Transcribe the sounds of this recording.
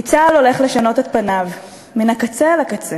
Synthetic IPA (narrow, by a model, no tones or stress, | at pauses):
it͡salo̞le̞χle̞ʃano̞t̪et̪̚panav | minakat͡selakat͡se